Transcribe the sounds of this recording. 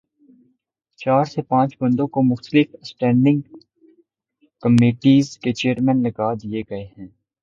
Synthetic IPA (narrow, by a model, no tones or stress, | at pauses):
t͡ʃaːɾsepãːt͡ʃbɐ̃nd̪õkomʊxt̪əlɪfsʈɛ̃ːɳɖɪ̃ŋɡ | kɐmeːʈiːzket͡ʃeːəɾmɛ̃ːnlɐɡaːd̪ijeɡɐeɦɛ̃ː